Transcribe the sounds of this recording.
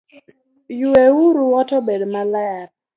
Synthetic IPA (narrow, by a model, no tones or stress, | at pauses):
jueuɾuɔtɔbedmalaar